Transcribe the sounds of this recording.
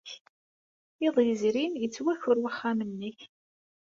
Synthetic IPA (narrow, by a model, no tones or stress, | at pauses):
ɪðˤjəzɾinət͡sːwæçʊɾwaχːamənːiç